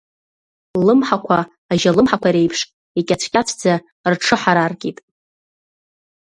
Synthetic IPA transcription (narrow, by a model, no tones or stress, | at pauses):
lɨmħakʷʰaː | ʒalɨmħakʷaiɾe̞jpʰʂ | ikʲʼat͡ɕʷʰkʲʼat͡sʷʰd͡za | rʈ͡ʂʰɨħaɾarɡʲʼitʼ